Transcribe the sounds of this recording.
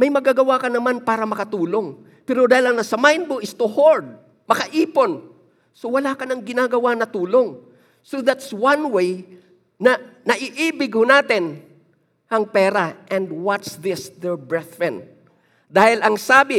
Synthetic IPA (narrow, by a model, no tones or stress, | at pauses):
mɐjmɐɡaɡɐwakɐnɐmanpaːɾɐmɐkɐt̪uːlo̞ŋ | pɛːɾod̪aːhɪlɐŋnɐsɐmajn̚boʔɪst̪ohoɹd̪̚ | mɐkɐʔiːpo̞n | sowɐlaːkɐnɐŋɡɪnaːɡɐwanɐt̪uːlo̞ŋ | soðat̪swɐnwej | nɐnɐʔɪʔiːbɪɡ̚honaːt̪ɪn | hɐŋpɛːɾaʔɛnd̪wɐt̪sðɪsd̪ɛɹbɹɛθfɛn | d̪aːhɪlɐŋsaːbɪ